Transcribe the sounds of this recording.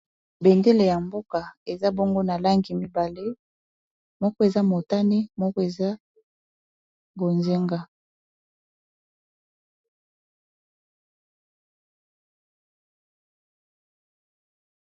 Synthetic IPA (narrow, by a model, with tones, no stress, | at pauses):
be˨nde˦le˨ja˨mbo˦ka˨e˨za˦bo˦ŋɡo˦na˨la˦ŋɡi˨mi˦ba˨le˦ | mɔ˦kɔ˦e˨za˦mo˨ta˦ne˦mɔ˦kɔ˦e˨za˦ | bo˨nze˦ŋɡa˦